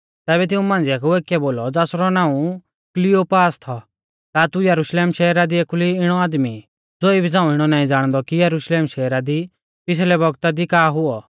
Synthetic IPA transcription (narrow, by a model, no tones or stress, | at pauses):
t̪ɛːbɛt̪̬ɪũmãːnd͡ziakeːkːɛboːlɔd͡zaːsɾɔnãːũ | klɪoːpaːst̪ʰɔ | t̪at̪ujɐɾuʃleːmʃɛːɾad̪ieːkʰʊliɪɽ̃ɔaːd̪mi | d͡zoːibʱid͡zãːũɪɽ̃ɔnaːĩd͡zaːɽ̃d̪ɔkijɐɾuʃleːmʃɛːɾad̪i | pɪs̬lɛbɔɡt̪ad̪ikaːɦʊɔ